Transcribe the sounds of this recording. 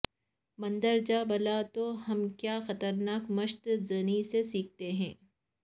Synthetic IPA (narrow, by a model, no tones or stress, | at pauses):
mɐ̃nd̪əɾd͡ʒaːbɐlat̪oɦɐmkjaːxɐt̪əɾnaːkmɐʃt̪zɐnisesiːk̚t̪eɦɛ̰̃ː